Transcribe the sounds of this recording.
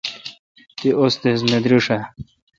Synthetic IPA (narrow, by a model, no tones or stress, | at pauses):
t̪iost̪es̬med̪ɾuʂa